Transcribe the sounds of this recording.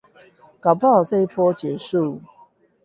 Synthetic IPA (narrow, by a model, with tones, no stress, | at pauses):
kɑ˨˩pʰt͡sɤ˥˧i˥˩pʰwɔ˦t͡ɕjɛ˨˦ʂu˥˨